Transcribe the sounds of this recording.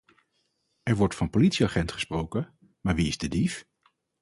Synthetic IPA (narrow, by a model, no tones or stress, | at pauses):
ɛɹʋɔɹtfɑnpolitsiaχɛntχəsprowkə | maːɹʋiɪzdədif